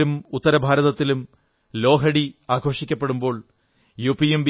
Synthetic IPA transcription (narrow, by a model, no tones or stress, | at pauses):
umut̪ːɐɾɐbʱaːɾɐðɐt̪ːilum | lo̞ːkɐɽiaːɡʰʱo̞ːʂikʲːɐpːeɽumbo̞ːɭ | juːpːiemb